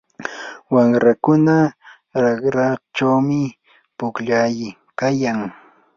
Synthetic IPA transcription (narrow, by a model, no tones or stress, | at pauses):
waŋɾakʊna | ɾɑkɾɑt͡ʃawmɪ | pʊkʎajɪ | kajaŋ